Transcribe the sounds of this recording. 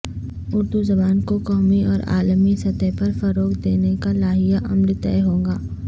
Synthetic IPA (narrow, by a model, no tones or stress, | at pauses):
ʊɾd̪uzɐbaːnkokɔːmiʔɔːɾa̰ːlmisɐt̪ɛpɐɾfɐɾoːkd̪eːnekalaːɦijaʔɐmlt̪ɛ̰ːɦõːŋɡaː